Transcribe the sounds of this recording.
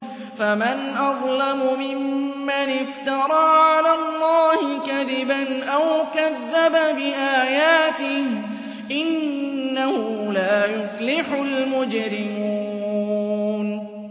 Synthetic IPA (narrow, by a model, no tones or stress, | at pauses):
famanʔɑðˤlɑmʊmɪmːanɪft̪ɑɾˤɑːʕalaːlˤːɑːhɪkaðɪbanʔawkaðːababɪʔaːjaːt̪ɪh | ʔɪnːahʊlaːjʊflɪħʊlmʊd͡ʒɾɪmuː | n